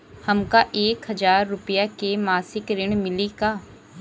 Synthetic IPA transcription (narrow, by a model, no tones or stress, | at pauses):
hɐmkaʔeːkɦɐzaːɾːʊpəjakemaːsɪkɾɪɽ̃mɪlikaː